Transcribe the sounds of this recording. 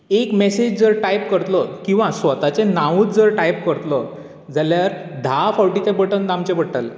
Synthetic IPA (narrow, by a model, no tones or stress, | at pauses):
ekmesed͡ʑd͡zəɾʈajp̚kəɾt̪lɔkĩw̃ʋasʋət̪at͡senãʋũt̪d͡zəɾʈajpkəɾt̪lɔ | d͡zaljaɾd̪ʱafawʈit̪ebəʈənd̪amt͡ɕebəɽʈəl